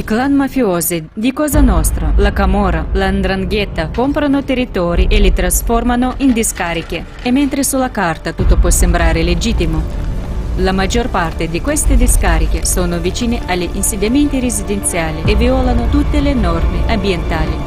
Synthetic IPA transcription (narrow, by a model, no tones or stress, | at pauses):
iklanmafjoːzed̪ikɔːzanɔst̪ɾalakamɔːɾaland̪ɾaŋɡɛt̪ːakompɾanot̪erːit̪ɔːɾiʔelɪt̪ɾasfɔrmanoʔind̪iskaːɾik̟eː | mːent̪ɾesulakart̪at̪ut̪ːopwɔsembɾaːɾeled͡ʒit̪ːimo | lamad͡ʒːorpart̪ed̪ikwest̪ed̪iskaɾik̟esoːnovit͡ʃiːneʔalːiʔinsed̪jament̪iɾezid̪ent̪sjaːlieviɔlanot̪ut̪ːelenɔrmeʔambjent̪aːli